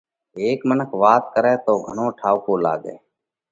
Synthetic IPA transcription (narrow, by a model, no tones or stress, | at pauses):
eːkmənəkʰʋaːt̪̚kəɾeːt̪oːɡʱəɳõːʈʰaːʋkoːla̰ːɡḛː